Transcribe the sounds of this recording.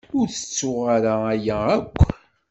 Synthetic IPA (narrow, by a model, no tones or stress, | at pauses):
ʊɾθə̥t͡sːʊʁaɾaæjæækʷː